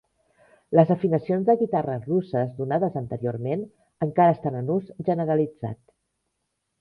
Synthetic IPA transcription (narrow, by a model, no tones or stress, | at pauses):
ləzəfinəsionzðəɣit̪arərusəzðunaðəzənt̪əɾioɾmen | əŋkaɾəːst̪anənuzʒənəɾəlid͡za̰t̪